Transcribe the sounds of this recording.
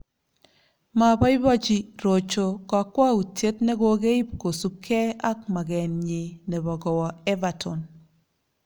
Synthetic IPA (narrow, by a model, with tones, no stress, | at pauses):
ma˨bɔ˦ɪ˦bɔ˦t͡ʃi˦ɾo˨t͡ʃo˨kɔ˨kwa˦u˨tje˦tnɛ˦ɡo˦ɡe˦i˦p̚ko˨su˨kʰːɛ˦a˦k̚ma˨ɡɛ˨nɲe˨nɛ˨bɔ˨ɡɔ˨wɔ˨ɛ˦va˨tʰɔ˨n